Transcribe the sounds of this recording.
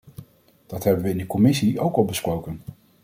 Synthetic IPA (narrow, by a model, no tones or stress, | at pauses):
d̥ɑtɦɛbənʋəɪndəkɔmɪsiʔowkɑlˠbəsprowkən